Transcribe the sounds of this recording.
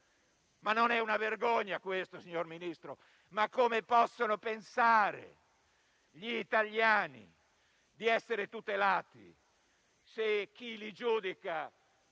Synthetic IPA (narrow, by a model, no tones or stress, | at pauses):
manːonɛunaverɡoɲːakwest̪osiɲorminist̪ɾo | makːomepɔsːonopensaːɾḛ | ʎiːt̪aʎjaːnḭ | d̪iɛsːeɾet̪ut̪elaːt̪ḭ | sek̟ːilid͡ʒuːd̪ika